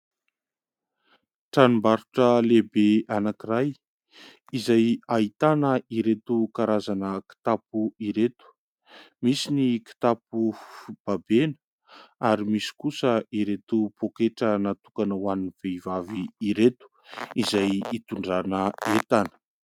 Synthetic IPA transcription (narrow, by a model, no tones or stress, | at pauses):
ʈ͡ʂanumbaɾuʈ͡ʂəlebeanakiraj | izajait̪anəiɾet̪ukaɾazanəki̥t̪apuiɾet̪u̥ | misiniki̥t̪apufib̥abenə | aɾimisi̥kusəiɾet̪upokeʈ͡ʂənat̪ukanəwaniniv̥eivaviiɾet̪u̥ | izajit̪uɳɖ͡ʐanəet̪anə̥